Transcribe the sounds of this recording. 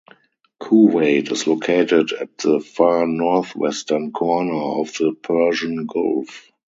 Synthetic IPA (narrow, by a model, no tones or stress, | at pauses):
kʰuːweɪtɪslokʰeɪtɪdæ̰t̚ðəfaːnɔθwɛ̰stə̃nkʰɔnə˞ɔfðəpʰɜ˞ʒə̃nɡɔ̰lf